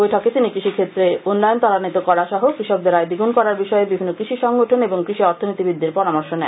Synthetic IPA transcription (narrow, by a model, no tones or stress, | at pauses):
ojʈʰɔket̪inikɾiʃikʰet̪ːɾeonːajont̪ɔɾanit̪okɔɾaʃɔɦokɾiʃɔk̚d̪eɾajd̪iɡunkɔɾaɾbiʃɔebibʱinːokɾiʃiʃɔŋɡoʈʰoneboŋkɾiʃiɔɾt̪ʰonit̪ibid̪ʱːiɾpɔɾamɔɾʃonɛ